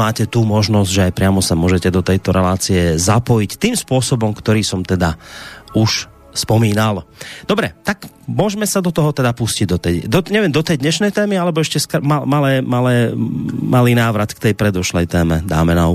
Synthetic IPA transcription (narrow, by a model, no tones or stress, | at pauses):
aːcɛt̪uːmɔʒnɔzɟʒɛajpɾɪamɔsamʊɔʒɛcɛd̪ɔt̪ɛjt̪ɔɾɛlaːt͡siɛzapɔjict̪iːmspʊɔsɔbɔmkt̪ɔɾiːsɔmt̪ɛd̪auʃ | spɔmiːnald̪ɔbɾɛ̰t̪ak | mʊɔʒmɛsad̪ɔt̪ɔɦɔt̪ɛd̪apusciɟ̚d̪ɔt̪ɛd̪ɔɲɛʋɛmd̪ɔt̪ɛjd̪ɲɛʃnɛjt̪ɛːmialɛbɔɛʃcɛskmamalɛːmalɛːmaliːnaːʋɾat̪kt̪ɛjpɾɛd̪ɔʃlɛjt̪ɛːmɛd̪aːmɛna